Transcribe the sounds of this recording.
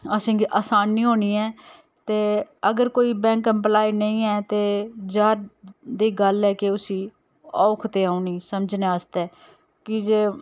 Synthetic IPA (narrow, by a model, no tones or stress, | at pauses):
əsĩːiʔaːsaːnːiːɦoːniːɛː | t̪eːəɡəɾkoːiːbɛ̃ːŋkə̃mplaːiːnəĩːɛːt̪eːd͡ʒaːɾd̪iːɡəlɛːkeʊsĩː | ɔːʊkʰt̪eːaːuniːsəməd͡ʒneːəst̪ɛː | kɪd͡ʒeː